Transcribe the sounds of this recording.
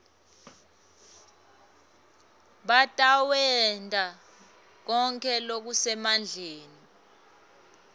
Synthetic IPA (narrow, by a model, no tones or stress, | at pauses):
ɓatʼawɛntʼa | k̬ɔŋkʰɛlok̬usɛmand͡ɮʱeːni